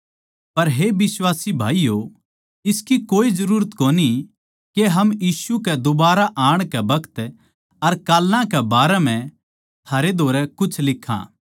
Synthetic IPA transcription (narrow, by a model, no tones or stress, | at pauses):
pɐɾɦebɪswaːsibʱa̰ːijo | ɪskikoːizɐɾuːɾət̪koːni | keɦɐmjiːsukɛd̪ʊbaːɾaʔaːɽ̃kɛbɐkt̪ | ɐɾkaːlːãkɛbaːɾɛm̤ɛ̃ | t̪ʰaːɾed̪ʱoːɾɛkʊt͡ʃʰlɪkʰːã̰ː